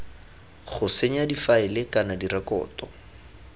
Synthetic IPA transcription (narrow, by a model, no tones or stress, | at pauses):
χʊseɲ̩adifaɪlɪkanadirakɔ̰ːtɔ